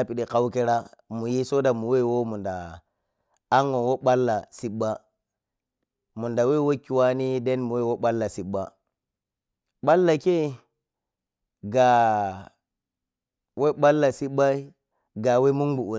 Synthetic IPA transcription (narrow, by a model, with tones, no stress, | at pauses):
a˦pi˨ɗi˨ka˦wke˦ɾa˦mu˨ji˦so˦da˨mu˨we˦˨wo˦mu˨nda˨ | a˦ŋo˨nwo˦ɓa˦lːa˨si˦ɓːa˦ | mu˨nda˨we˦˨wo˦kːi˨wa˦ni˦de˦nmu˨we˦˨wo˦ɓa˦lːa˨si˨ɓa˦ | ɓa˦lːa˨ke˦˨ | ɡa˨ | we˦ɓa˦lːa˨si˦ɓa˦i˦ | ɡa˨we˦mu˦ŋbu˨ʔu˨